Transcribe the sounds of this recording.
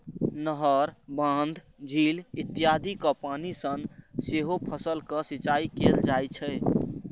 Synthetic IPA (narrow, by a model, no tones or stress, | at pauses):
nəɦəɾbãnd̪ʱ | d͡ʒʱilit̪ːijad̪ʱikəpanisənseɦopʰəsəlkəsit͡ʃaikeld͡ʒajt͡ʃʰɛ